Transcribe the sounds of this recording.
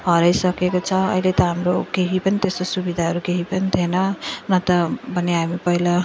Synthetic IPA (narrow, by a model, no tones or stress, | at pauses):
ɦʌɾʌjsʌkekot͡sʰʌʌ̰ɦilet̪ʌɦamrokeɦipʌnit̪est̪osubid̪ʱaɦʌɾukeɦipʌnit̪ʰenʌnʌt̪ʌbʱʌneɦamipʌɦila